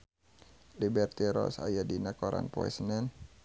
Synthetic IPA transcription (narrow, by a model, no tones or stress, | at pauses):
libɛrt̪iɾɔ̰sajadinakɔɾa̰npɔ̰ɛ̰snɛn